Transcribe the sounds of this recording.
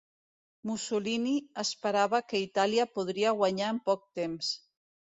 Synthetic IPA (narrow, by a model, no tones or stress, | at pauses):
musuliniəspəɾaβəkəit̪aliapuð̞ɾiəɣwaɲaəmpɔk̚t̪ems